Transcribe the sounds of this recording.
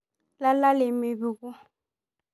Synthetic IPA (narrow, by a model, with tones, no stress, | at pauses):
la˦la˦lɪ˨mɪ˨βi˨ku˦